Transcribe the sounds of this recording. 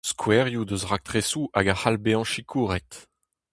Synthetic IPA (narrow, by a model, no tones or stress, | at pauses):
skʰwɛʁjud̪øzʁak̚t̪ʁesuʔaɡaχalbeɑ̃ʃikʰuːʁɛt̪